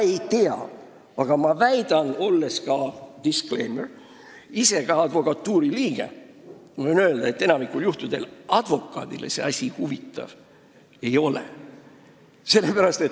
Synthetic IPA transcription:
e̞jt̪e̞ɑ̰ | ɑɡ̥ɑmɑvæjd̪̥ɑno̞lːe̞skɑd̪̥iskle̞̰jmer | ise̞ɡ̥ɑɑd̪̥vo̞kɑt̪ːuːɾiliːɡ̥e̞̰monøeld̪ɑet̪ːe̞nɑmikːˑuljuht̪ud̪̥e̞lɑd̪̥vo̞kːˑɑ̰ːd̪̥ilḛse̞̰ɑsʲihuvit̪ːˑɑ̰v̥ | e̞jo̞lḛ | se̞lːepæɾɑst̪et̪

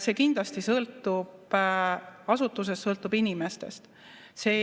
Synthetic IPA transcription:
se̞ːkind̪lɑst̪isɤlt̪ˑːub̥ | ɑsut̪ːˑus̬e̞ssɤlt̪ːˑub̥inime̞st̪e̞̰st̪ | se̞ː

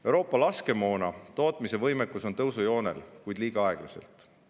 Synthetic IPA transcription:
ewɾo̞ːpːˑɑlɑske̞mo̞ːnɑt̪o̞ːt̪ˑmise̞vɤjmekːˑuso̞nt̪ɤwsujo̞ːne̞̰lkujd̪liːɡ̥ɑɑe̞ɡ̥lɑse̞̰lt̪ˑ

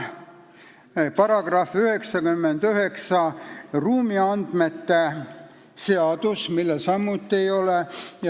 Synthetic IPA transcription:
pɑɾɑɡ̥rɑfyhe̞ksɑɡymːend̪̥yɦe̞ksɑruːmiɑnd̪̥me̞t̪ːe | se̞ɑd̪̥usmilːesɑmːut̪ːiejo̞lej

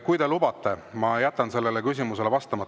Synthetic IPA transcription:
kujd̪e̞lub̥ɑt̪ːˑe̞mɑjæt̪ˑːɑnse̞lːelekys̬ʲimuse̞le̞vɑst̪ɑmɑt̪ːˑ

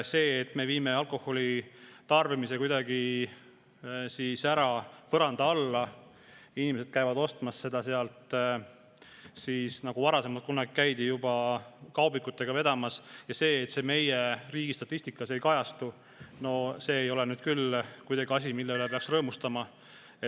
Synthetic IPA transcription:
se̞ːt̪ːme̞viːme̞ɑlko̞hːo̞lʲit̪ɑrvimise̞kujd̪ɑɡi | siːsæɾɑpɤɾɑnd̪̥ɑɑlːɑ | inimese̞d̪̚kæjvɑd̪o̞st̪mɑsse̞d̪̥ɑse̞ɑlt̪ | siːsnɑɡ̥uvɑɾɑse̞mɑlt̪kunːɑɡikæjd̪̥ijubɑkɑwbikut̪ːˑe̞ɡ̥ɑve̞d̪̥ɑmɑsjɑse̞ːt̪se̞me̞jeriːɡ̥ist̪ɑt̪ːˑist̪ikːˑɑse̞jkɑjɑst̪u | no̞se̞ːjo̞lenyːd̪̥kylkujd̥̪ɑɡ̥iɑs̬ʲimilːelepeɑksrɤːmust̪ɑmɑ | e

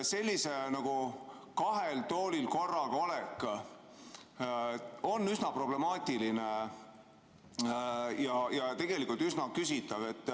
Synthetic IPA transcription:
se̞lʲːise̞nɑɡ̥u | kɑɦe̞lt̪o̞ːlilko̞rːɑɡo̞lekː | o̞nːysnɑpro̞ble̞mɑːt̪ʲiline | jɑjɑt̪e̞ɡ̥e̞likˑult̪ysnɑkysit̪ːˑɑve̞t̪ːˑ

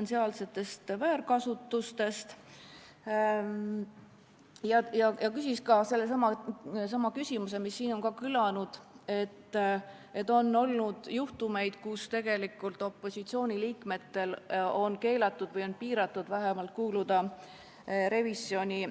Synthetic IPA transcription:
ensiɑːlse̞t̪ːˑe̞st̪væːɾkɑsut̪ːˑust̪e̞st̪ | jɑjɑjɑkysiskɑse̞lːesɑmɑsɑmɑkysʲimus̬e̞misːiːno̞nkɑkylɑnud̪̥e̞t̪ːet̪ːˑo̞nːo̞lnud̪̥juht̪ume̞jd̪̥kust̪e̞ɡ̥e̞likːˑult̪o̞pːˑo̞sʲit̪sio̞ːnʲiliːkme̞t̪ːe̞lo̞nke̞ːlɑt̪ːˑud̪̥vɤjo̞npiːɾɑt̪ːˑud̪̥væɦemɑlt̪̚kuːlud̪̥ɑ | ɾe̞visio̞nʲi

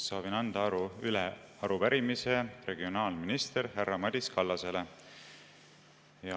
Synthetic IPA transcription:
sɑːvinɑnd̪̥ɑɑɾuyleɑɾupæɾimise̞re̞ɡio̞nɑːlminist̪eɾherːɑmɑd̪ʲiskɑlːɑse̞le̞ | jɑ

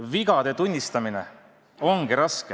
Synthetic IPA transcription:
viɡ̥ɑd̪̥e̞t̪unʲːist̪ɑmine̞̰ | o̞ŋɡ̥iɾɑske

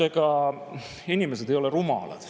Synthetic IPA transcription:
eɡ̥ɑ | inimes̬e̞d̪ejo̞le̞rumɑ̰lɑ̰d̪̥

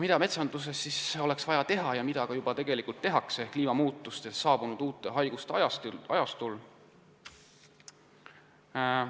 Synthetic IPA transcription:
mid̪̥ɑme̞t̪sɑnd̪̥us̬e̞sːiso̞le̞ksv̥ɑjɑt̪e̞ɦɑjɑmid̪̥ɑkɑjubɑt̪e̞ɡ̥e̞likult̪ːe̞ɦɑksekliːmɑmuːt̪ːˑust̪essːɑːb̥unud̪̥uːt̪ːˑeɦɑjɡ̥ust̪jɑɑjɑst̪ulː

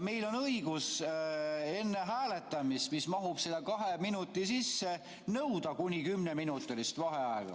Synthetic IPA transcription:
me̞jlo̞nɤjɡ̥us | e̞nːe̞ɦæːle̞t̪ːˑɑmist̪mismɑɦub̥selːɑkɑɦeminut̪ːˑisisːe̞ | nɤwd̪ɑkunʲikymneminut̪ːˑilist̪vɑɦeɑeɡ̥ɑ̰

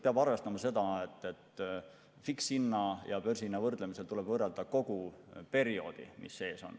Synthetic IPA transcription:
peɑbɑrve̞st̪ɑmɑse̞d̪̥ɑet̪ːe̞t̪ | fiksinːɑjɑpørsinːɑvɤrd̪̥lemise̞lt̪ule̞bvɤrːeld̪̥ɑko̞ɡ̥upe̞ɾio̞̰ːd̪̥ḭmḭsːe̞ːso̞̰n

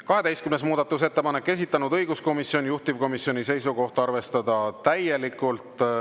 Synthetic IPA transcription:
kɑɦe̞t̪ejst̪kymnesmuːd̪̥ɑt̪ːˑus̬et̪ːe̞pɑne̞kːe̞s̬ʲit̪ːˑɑnud̪ɤjɡ̥usko̞misjo̞njuht̪iv̥ko̞misjo̞nise̞jsuko̞ht̪ɑrve̞st̪ɑd̪ɑt̪æje̞likːˑult̪ˑ

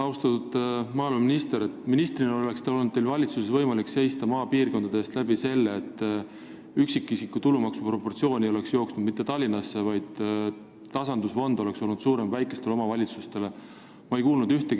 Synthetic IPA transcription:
ɑwst̪ɑt̪ud̪̥mɑːluminist̪e̞ɾe̞t̪ːˑminist̪rineole̞kst̪eo̞lnud̪̚t̪ːelvɑlʲit̪susesvɤjmɑlikse̞jst̪ɑmɑːpiːrko̞nd̪̥ɑd̪eːst̪læb̥ise̞lːeːt̪ːˑ | yksikːˑisikːˑut̪ulumɑksupro̞pːo̞rt̪sio̞ːnʲiole̞ksjo̞ːksnud̪mit̪ːe̞t̪ɑlʲːinɑsːe̞vɑjd̪̥ | t̪ɑsɑnd̪usvo̞nd̪o̞le̞kso̞lnud̪̥suːɾe̞mvæjkːˑe̞st̪e̞leomɑvɑlʲit̪sust̪e̞le̞ | mɑe̞jkuːlnud̪̥yht̪e̞ɡ

